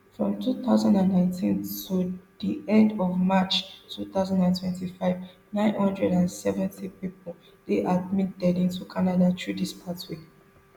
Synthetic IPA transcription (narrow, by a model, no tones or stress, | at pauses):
fɹɔ̃mtʰuθaʊzãndãnːãɪ̃ntʰĩntʰud̥iɛ̃ndɔvmat͡ʃtʰuθaʊzãndãntʰwɛ̃ntifaɪv | nãɪ̃nhɔ̃ndɹɛdãnsɛvɛ̃ntipipɔl | deʔadmitɛdĩntukʰanadat͡ʃʰudispʰatwe